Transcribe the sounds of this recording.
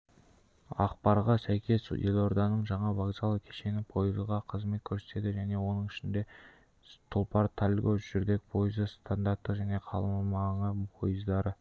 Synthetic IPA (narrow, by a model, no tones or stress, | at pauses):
ɑ̰qpɑɾʁɑsæjkʲe̞sjelʲˠo̞ɾd̪ɑnəɴʒɑɴɑvaɡzɑlˠəkʲʰeʃe̞nɪpʰo̞jəzʁɑqʰəzme̞t̪̚kʲʰɵɾset̪e̞d̪ɪʒæne̞wo̞nəɴɪʃɪnd̪e̞ | t̪ʰʊlˠpɑɾt̪ʰalʲɡoʒ̥ʏɾd̪e̞k̚pʰo̞jəzəst̪ʰand̪ɑɾt̪ːəʒæne̞qʰɑ̰lˠəmlˠmɑɴəpʰo̞̰jəzd̪ɑɾə